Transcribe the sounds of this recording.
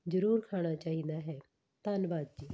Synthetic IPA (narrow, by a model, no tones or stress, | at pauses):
d͡ʒəɾuːɾkʰaːɽ̃at͡ʃaːɦĩnd̪aɦɛ | t̪aːnʋaːd̪̚d͡ʒiː